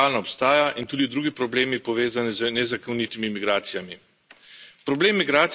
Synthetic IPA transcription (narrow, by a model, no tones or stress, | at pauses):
aːlnɔɔpst̪aːjaʔint̪uːd̪id̪ɾuːɡipɾɔbleːmipɔʋeːzanizənɛzakownit̪imimiɡɾaːt̪sijami | pɾɔbleːmːiɡɾaːt̪s